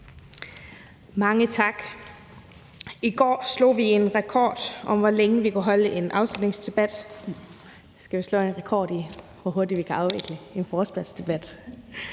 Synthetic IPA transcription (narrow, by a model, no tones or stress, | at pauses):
mɑ̈ŋət͡sʰɑ̈ɡ̥ | iɡ̥ɒ̰ːslo̰ːʋie̝nʁɛkʰɒ̰ːd̥ʔɒ̽mʋɒleŋəʋikʰæɦɒ̽ləʔe̝nʔɑ̈ʊslud̥ne̝ŋsd̥e̝b̥æd̥ | sɡ̥æʋislɔ̰̽ːe̝nʁɛkʰɒ̰ːd̥i | ʋɒɦo̝ɐd̥id̥ʋikʰæʔɑ̈ʊʋe̝ɡ̥ləe̝nfɒːsb̥æ̥sd̥e̝b̥æd̥